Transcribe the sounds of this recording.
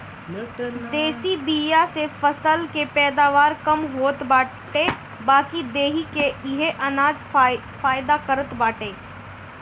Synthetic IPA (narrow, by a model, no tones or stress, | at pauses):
d̪eːsibiːjasefɐsəlkepɛːd̪aːʋaːɾkɐmɦoːt̪baː | ʈe | baːkid̪eːɦikeɪɦeʔɐnaːd͡ʒ | faːjd̪akəɾət̪baːʈeː